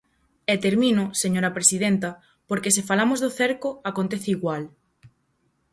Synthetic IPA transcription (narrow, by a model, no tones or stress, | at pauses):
et̪eɾmĩnʊseɲoɾɐpɾesið̞ent̪ɐ | poɾkesefalamʊzðʊθeɾkʊakont̪eθɪiɣwal